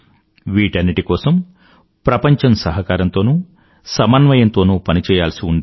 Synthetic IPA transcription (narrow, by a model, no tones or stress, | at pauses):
ʋiːʈɐnːiʈikɔːsɐm | pɾɐpɐɲt͡ʃɐmsɐɦɐkaːɾɐnt̪o̞ːnuː | sɐmɐnʋɐjɐnt̪o̞ːnuːpɐnit͡ʃɛːjaːlsiuɳɖ̪i